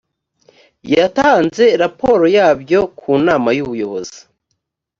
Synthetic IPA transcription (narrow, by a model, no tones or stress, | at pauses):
jataːnze̞ɾapo̞ɾo̞jaːbjo̞kʰuːnaːmajuβujo̞βo̞z̥i̥